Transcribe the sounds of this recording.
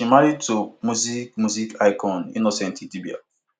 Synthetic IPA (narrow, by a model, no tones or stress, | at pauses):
imaɾitomuzikmuzikaɪkʰɔ̃nḭnosɛ̃ntitibia̰